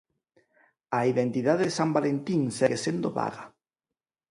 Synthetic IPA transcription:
aiðent̪iðaðeðesambalent̪iŋsɛɣesend̪oβa̰ɣa

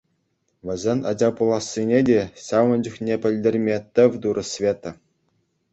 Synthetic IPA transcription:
ʋʲɘ̆zʲenʲɑ̰d͡ʑɑpulˠɑsʲːinʲedʲeɕɑʋɤ̆nʲd͡ʑuxnʲepʲɘ̆lʲdʲerʲmʲet̪ʲɘ̆ʋʲd̪uɾʔɤ̆sʲʋʲet̪ɤ̆

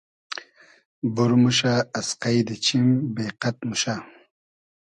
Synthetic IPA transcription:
buɾmuʃaːsqajd̪et͡ɕimbeːqat̪̚muʃa

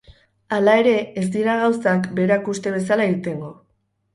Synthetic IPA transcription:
alae̞ɾe̞ːzd̪iɾaɣawsakbe̞ɾakust̪e̞β̞e̞s̬alaiɣt̪e̞ŋɡo̞

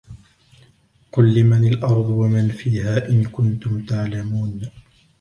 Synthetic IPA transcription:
qʊlːɪmanɪlʔɑɾˤd̪ˤwamanfiːhaːʔɪnkʊnt̪ʊmt̪aʕlamuːn

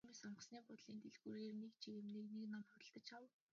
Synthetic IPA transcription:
mesɔɴə̆sniːpʊt̪ɮiːnt̪ʰeɮxuːɾeːrnekt͡ɕʰiɣemneːkneknamχʊt̪ə̆ɬt̪ə̆t͡ɕaw

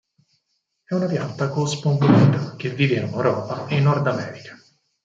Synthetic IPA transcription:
ɛunapjant̪ːakospoŋboɛʈok̟evːiːvenunɛwɾɔːpaenːɔrd̪amɛːɾikḁ

